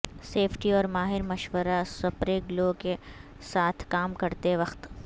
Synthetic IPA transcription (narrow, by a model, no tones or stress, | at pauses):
seːpʰʈiɔːɾmaːɦɪɾmɐʃʋəɾasɐpɾeːɡloke | saːt̪ʰkaːmkɐɾt̪eʋɐxt̪